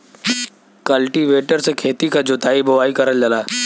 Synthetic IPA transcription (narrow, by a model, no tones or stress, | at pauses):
kəlʈiʋeːʈəɾsekʰeːt̪ikad͡ʒʊt̪ʰaːibɐʋaːikɐɾəld͡ʒəlaː